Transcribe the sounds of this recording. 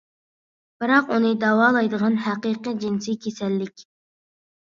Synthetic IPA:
b̥ɨɾɑqunɨd̪ɑwɑːlˠɑjd̪əʁɑnɦæqiqɨd͡ʒinsikʲʰesɛlːɪkʲ

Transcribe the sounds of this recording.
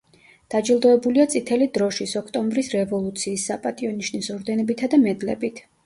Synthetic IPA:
d̪̥ad͡ʒilˠd̪ɔɛbuliat̪sʼit̪ʰɛlid̪ɾɔʃisɔkʰt̪ʼɔmbɾisɾɛvɔlˠut̪sʰiːsːapʼat̪ʼiɔniʃnisɔɾd̪ɛnɔbit̪ʰad̪amɛd̪lɛ̰bit̪ʰ

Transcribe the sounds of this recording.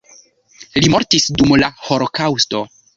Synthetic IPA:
limo̞ɾtisdumlaho̞lokawsto̞

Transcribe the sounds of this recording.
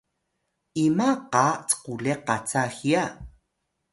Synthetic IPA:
ʔimaqat͡squleqat͡saxja

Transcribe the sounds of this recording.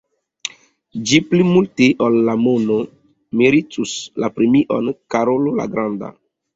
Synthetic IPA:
d͡ʒiplimulteʔolːamono | miɾitʰuslapɾemiʔo̰nkaɾolola̰ɡɾãnda̰

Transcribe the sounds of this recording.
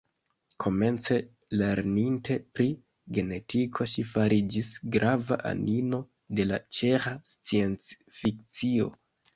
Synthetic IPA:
kʰo̞me̞nt͡se̞ | le̞ɾnintʰe̞pɾi | ɡe̞ne̞tʰikʰo̞ʃifaɾid͡ʒisɡɾava̰ʔa̰nino̞ | de̞la̰t͡ʃe̞xast͡sie̞nt͡s | fikt͡sio̞̰

